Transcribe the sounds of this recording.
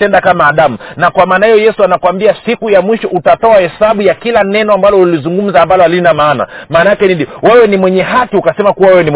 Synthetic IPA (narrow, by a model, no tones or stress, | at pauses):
ɛndakamaːɗamunakwamaːnahijɔjɛsuanakwambiasikujamwiʃɔʔutatɔahɛsaɓujakilanɛnɔambalɔulizuŋɡum̩zaːmbalɔalinamaːna̰maːnajakɛnidiwɛwɛnimwɛɲɛɦakiukasɛmakuwawɛwɛnim